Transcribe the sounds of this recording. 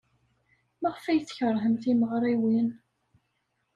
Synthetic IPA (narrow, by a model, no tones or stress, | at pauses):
maʁfæjθçəɾˤɦəmθiməʁɾˤiwin